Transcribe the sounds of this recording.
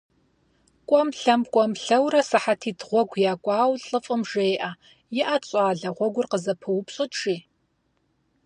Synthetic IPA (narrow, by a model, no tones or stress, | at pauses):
kʷʼɔmɬɐmkʷʼɔmɬɐwrɐsɨħatʰiːdʁʷɔɡʷjaːkʷʼɑːwɬʼɨfʼɨmʒeːʔa | jɪʔat͡ɕʼaːɮɐʁʷɔɡʷʊrqəzɐpʰɨwʊpɕʼɨtʈ͡ʂiː